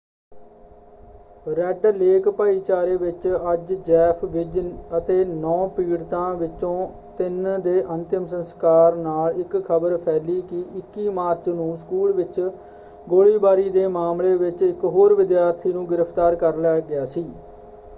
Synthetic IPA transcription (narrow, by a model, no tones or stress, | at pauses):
ɾɛɖleːkpaːiːt͡ʃaːɾeːʋɪt͡ʃəd͡ʒd͡ʒɛːpʰʋɪd͡ʒət̪eːnɔ̃ːpiːɽt̪ãːʋɪt͡ʃõː | t̪ɪnd̪eːʔənt̪ɪmsənskaːɾnaːlɪkʰəbəɾpʰɛːliːkɪʔɪkːiːmaːɾt͡ʃnũːskuːlʋɪt͡ʃ | ɡoːɭiːbaːɾiːd̪eːmaːmleːʋɪt͡ʃɪkɦoːɾʋɪd̪jaːɾt̪ʰiːnũːɡɪɾəpʰt̪aːɾkəɾlɛːɡɪjaːsiː